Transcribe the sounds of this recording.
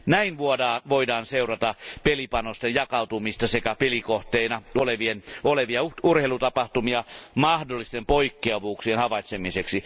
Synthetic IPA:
næinʋuodɑːnʋoidɑːnseurɑt̪ɑpelipɑnost̪ejjɑkɑut̪umist̪ɑsekæpelikoht̪einɑoleʋienoleʋiɑurheilut̪ɑpɑht̪umiɑmɑhdolːist̪empoikːeɑʋuːksienhɑʋɑit̪semiseksi

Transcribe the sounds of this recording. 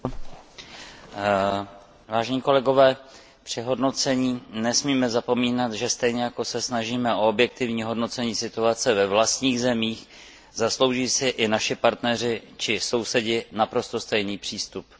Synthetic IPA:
vaːʒɛɲiːko̞lɛɡo̞vɛː | pr̝̥ɪɦo̞dno̞t͡sɛɲiːnɛsmiːmɛzapo̞miːnat̪ʒɛst̪ɛjɲɛjako̞sɛsnaʒiːmɛʔo̞objɛk̚t̪ɪvɲiːɦo̞dno̞t͡sɛɲiːsɪt̪uat͡sɛvɛvlast̪ɲiːɣzɛmiːx | zaslo̞wʒiːsɪʔɪnaʃɪpaɾt̪nɛr̝ɪt͡ʃɪso̞wsɛɟɪnapɾo̞st̪o̞st̪ɛjniːpr̝̥iːst̪up

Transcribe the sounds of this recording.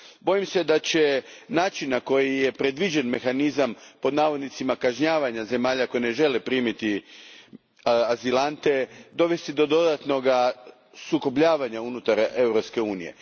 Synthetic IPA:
bo̞jimse̞d̪at͡ɕe̞naːt͡ʃinːako̞jije̞pɾe̞d̪ʋid͡ʑe̞nme̞xanizampo̞d̪naːʋo̞d̪nit̪simakaʒɲaːʋaɲaze̞maːʎako̞jine̞ʒe̞lepɾiːmit̪i | azilant̪e̞d̪o̞ʋe̞st̪id̪o̞d̪o̞d̪at̪no̞ɡa | suko̞bʎaːʋaɲaunut̪aɾe̞wɾopske̞uːnije̞̰

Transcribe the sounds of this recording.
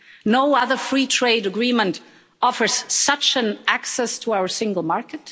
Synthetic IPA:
noʊʌðə˞fɹiːtʰɹ̥eɪɾəɡɹĩmə̃nt | ɔfə˞z̥sʌt͡ʃɨ̃nʔæksɛstʰəaʊə˞sɪ̃ŋɡəl̩ˠmɑɹkɨt

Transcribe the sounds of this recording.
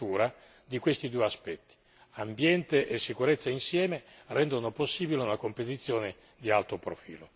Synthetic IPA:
t̪uːɾa | d̪ikwest̪id̪ueaspɛt̪ːi̥ | ambjɛnt̪eʔesːikuɾet̪sːainsjɛːme | rɛnd̪onoposːiːbileunakompet̪it̪sːjoːne | d̪ialt̪opɾofḭːlo̰

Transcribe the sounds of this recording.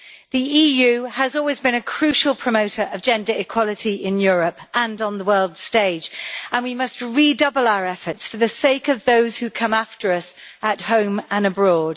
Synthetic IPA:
ðiiːjʉːəzɔːlˠwɪzbɪ̃ñəkʰɹ̥ʉˑʃəlˠpʰɹ̥əmoʊtʰəɹʔəvd͡ʒɛ̃ndəɹɪkʰw̥ɒlɪtiɪ̃njɔːɹəpʔə̃nn̩ðəwɜːlˠd̥steɪd͡ʒə̃nwimʌst̚ɹidʌbəlaʊəɹɛfətsfəðəseɪkəvðoʊz̥hʉkʰʌ̃maftəɹʌsəthõʊ̃mə̃nəbɹɔːd̥

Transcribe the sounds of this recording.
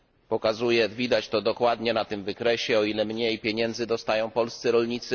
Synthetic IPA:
pɔkazujɛvʲid̪at͡ɕt̪ɔd̪ɔkwad̪ɲɛnat̪ɘmvɘkɾɛɕɛɔilɛmɲejpʲjeɲɛnd̪zɘd̪ɔst̪ajɔ̃w̃pɔlst̪sɘɾɔlɲit̪sɘ

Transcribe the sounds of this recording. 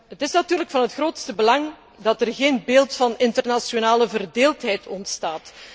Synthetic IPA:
ɦətɪsnatyːrləkfɑnɦətxrɾoːtstəbəlɑŋ | dɑtərɣeːnbeːlˠtfɑnɪntərnasjonaːləvərdeːlˠtɦɛjtʰɔntstaːt

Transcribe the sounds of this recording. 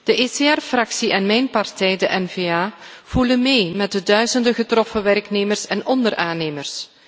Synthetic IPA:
d̥əʔeseɛrfrɑksiʔɛnmɛjnpɑrtɛjdəʔɛnveːaː | v̥ulənmeːjmɛt̚dədœɥzəndəɣətrɔfəʋɛrkneːmərsɛnʔɔndəɾaːneːmərs

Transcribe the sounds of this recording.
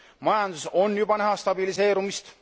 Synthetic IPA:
mɑjɑnd̪̥uso̞njub̥ɑnæɦɑst̪ɑbilise̞ːɾumist̪

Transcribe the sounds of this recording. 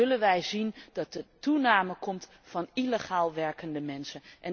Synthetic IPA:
ɵlənʋɛjzindɑt̚dətunaːməkɔmt | fɑnileχaːlˠʋɛɹkəndəmɛnsənʔɛn

